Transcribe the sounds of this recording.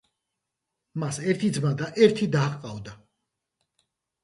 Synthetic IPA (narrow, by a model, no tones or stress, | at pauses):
masɛɾt̪ʰid̪zmad̪aʔɛɾt̪ʰid̪aːʁʼqʼavd̪a